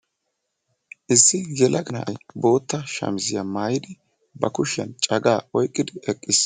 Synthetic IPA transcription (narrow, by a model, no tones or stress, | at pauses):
ʔɪsːɪjɛlʔɐɡɐnɐ̰ʔɐjbo̞ːt̪ːɐʃɐ̰mɪzɪjamaːjɪd̪ɪ | bɐkʊʃɐ̰nt͡ʃʼɐɡaːɔjkʼːɪd̪ɪɛkʼːɪs